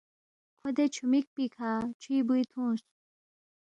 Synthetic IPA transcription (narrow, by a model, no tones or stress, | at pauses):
kʰod̪et͡ɕʰumik̚pikʰaːt͡ʃʰiːbujt̪ʰũːs